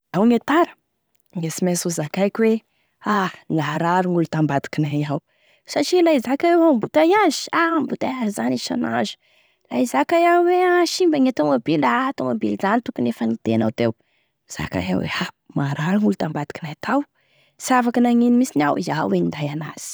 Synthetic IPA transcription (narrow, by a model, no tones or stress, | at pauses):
awŋet̪aɾə̥ | ŋesimesuzakajkʲwe | anaɾaɾuŋulut̪ambad̪i̥kinajaw | saʈ͡ʂilaizakaewambut̪ajazi̥aambut̪ajazizaniʃa̰na̰zu̥ | laizakajaweaʃimbəŋet̪oŋabilat̪oŋabilizanit̪ukunefənid̪̥ena̰wd̪ew | z̥a̰ka̰ja̰wḛa | maɾaɾuŋulut̪ambad̪i̥kinajt̪ʰaw | siavakənaŋinimisinawizawenind̪ajanaz̥i̥